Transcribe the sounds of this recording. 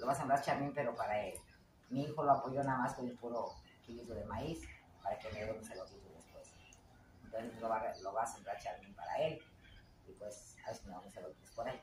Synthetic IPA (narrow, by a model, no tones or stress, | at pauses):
loβasembɾaɾt͡ʃaɾmĩmpe̞ɾo̞paɾael | miixo̞lo̞apo̞ʝo̞naðamaskoɾupuɾo | kilizuðemais | paɾakemeeounsalokit̪uðespwe̞s | ent̪onsest̪uloβaloβasembɾaɾt͡ʃaɾmĩmpaɾa̰e̞l | ipwesa̰βeskemeamusalokit̪espoɾaj